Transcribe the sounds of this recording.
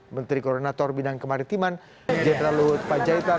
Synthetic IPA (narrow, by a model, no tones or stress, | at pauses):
mənt̪ɾikɔronat̪ɔrbidaŋkəmaɾint̪iman | d͡ʒɛɾalupad͡ʒait̪a